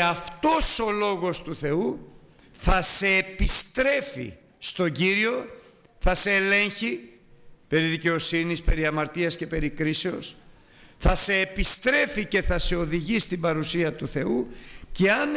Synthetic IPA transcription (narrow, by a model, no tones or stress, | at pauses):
ɐft̪o̞so̞lo̞ɣo̞st̪uθe̞u | θɐse̞ːpist̪ɾe̞fḭ | st̪o̞ɟiɾio̞ | θɐseːle̞ɲçi | pe̞ɾiðice̞o̞sinispe̞ɾiɐmɐɾt̪iɐsce̞pe̞ɾikɾise̞o̞s | θɐse̞ːpist̪ɾe̞fice̞θɐse̞o̞ðiʝist̪ibɐɾusiɐt̪uθe̞uce̞ɐn